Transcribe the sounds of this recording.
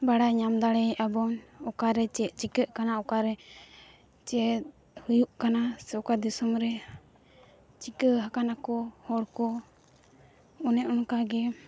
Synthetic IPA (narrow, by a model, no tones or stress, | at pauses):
baɽaɲamd̪aɽɛʔabɔnɔkaɾɛt͡ʃɛʔt͡ʃikəʔkanaɔkaɾɛ | t͡ʃɛt̪̚ | hujuʔkanasɛkad̪isumɾɛ | t͡ʃikəɦakanakɔhɔɽkɔ | ɔnɛʔɔnkaɡɛ